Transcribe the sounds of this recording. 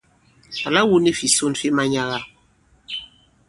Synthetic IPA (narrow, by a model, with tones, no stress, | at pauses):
a˨la˦wu˦ne˦fi˨so˦˨nfi˦ma˦ɲa˦ɣa˦˨